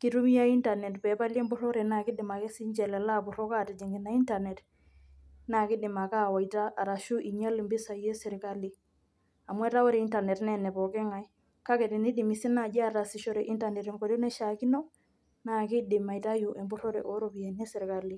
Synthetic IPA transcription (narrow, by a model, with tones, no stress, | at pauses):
ki˦tu˦mi˦ja˦i˦nta˨nɛ˨tpɛ˨pa˦ljɛ˦mbʊ˦ɾɔ˦ɾɛ˨na˨kɪ˦dɪ˨ma˨ke˦si˦ɲt͡ʃɛ˨lɛ˨la˦pʊ˨ɾɔ˦ka˦ti˨d͡ʒi˨ŋɡɪ˨na˦i˦nta˨nɛ˨t | na˨kɪ˦dɪ˨ma˨ka˦wa˨jta˦ʔa˨ɾa˨ʃu˦ʔi˨ɲa˦li˨mbɪ˦sa˨je˦sɪ˨ɾka˦li˨ | a˨mwɛ˦ta˦wɔ˦ɾe˨i˦nta˨nɛ˨tnɛ˨nɛ˨pɔ˨kɛ˦ŋa˨j | ka˦kɛ˨tɛ˨ni˦dɪ˨mi˨si˦na˨d͡ʒa˦ta˨si˨ʃɔ˦ɾɛ˨ʔi˦nta˨nɛ˨tɛ˨ŋko˨do˦nɛ˦ʃa˨ki˦nɔ˦ | na˨kɪ˦dɪ˨ma˨jta˦ju˨ʔe˨mbʊ˦ɾɔ˦ɾɛ̰˨ʔo˦ɾo˦pi˨je˨ni˦sɪ˨ɾka˨li˨